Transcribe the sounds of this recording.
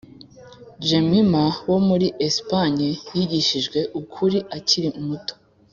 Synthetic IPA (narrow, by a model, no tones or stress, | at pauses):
d͡ʒemimawo̞muɾiʔespaɲejiɟiʃiʒɡwe̞ʔukʰuɾiʔaciɾimuto̥